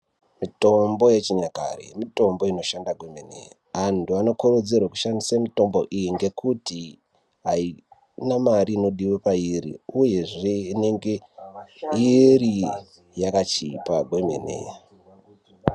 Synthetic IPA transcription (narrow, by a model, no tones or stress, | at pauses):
mito̞mbo̞je̞t͡ʃiɲaka̰rḛmito̞mbo̞ino̞ʃandaɡʱwe̞me̞nḛja | antuano̞korod͡zerwaku̥ʃandisamito̞mbo̞̰ʔijiŋɡe̞kuti | ɦai | namariːno̞ɗiwepairḭuje̞ʐe̞ine̞ŋɡe̞ | iri | jakat͡ʃipaɡʱwe̞mḛnḛje